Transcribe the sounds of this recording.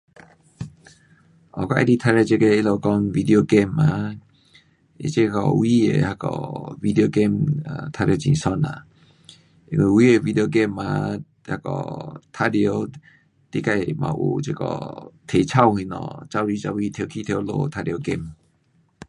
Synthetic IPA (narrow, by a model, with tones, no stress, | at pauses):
ʔɔ̰˨ka˧˦ʔa̰˧di˧t̪ʰa˧ɾe˧˨t͡ɕe˧ke˧i˦˧lo˧˨kɔ˧˦ŋvi˧d̪i˧˨o˧ɡɛ˥˧˨ma˨ | ʔḭ˧t͡ɕe˦kɔ̰˧wi˦ḛ˨ha˧˩kɔ̰˧˩vi˧d̪i˨˧o˧ɡe˥˧˨ma̰˧t̪ʰa˧djo˧t͡ɕḭ̃˨sɔ˧˨na̰˨ | ḭ̃˧ŋwi˧˨wi˦e˨vi˧d̪e˧o˧ɡɛ˧˨ma˨ | ha˧˩kɔ̰˨˩t̪ʰa˦djo˧˦ | t̪i˧˦ka˧jmã̰˨˩ʔṵ˨t͡ɕe˦˧kɔ̰˧t̪ʰe˨t͡ɕʰa˧whĩ˧˨nɔ̰̃˨˧˨t͡ɕa˧˨li˧˦t͡ɕa˧wi˧t̪ʰo˧˨kʰi˧t̪ʰjo˨˦lo̰˧˨t̪ʰa˧djo˧ɡɛ˧˨m